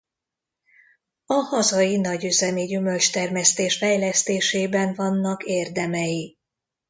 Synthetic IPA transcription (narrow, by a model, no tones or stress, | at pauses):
ɒhɒzɒjinɒɟyzɛmiɟymø̞lt͡ʃt̪ɛrmɛst̪eːʃfɛjlɛst̪eːʃeːbɛɱvɒnːɒkeːrd̪ɛmɛji